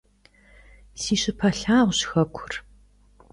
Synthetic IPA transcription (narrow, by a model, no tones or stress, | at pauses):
siːɕɪpʰɐɬaːʁʷɕxɐkʷʰʊ̥r